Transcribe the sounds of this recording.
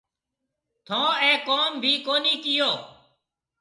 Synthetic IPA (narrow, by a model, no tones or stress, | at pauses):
t̪ʰõːɛ̃ːkoːmbʱiːkoːniːkɪjoː